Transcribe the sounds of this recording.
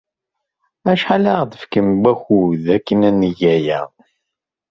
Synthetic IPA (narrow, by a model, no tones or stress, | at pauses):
æʃħalaʁðəfkəmbæxuðækːənænːiʝæjæ̰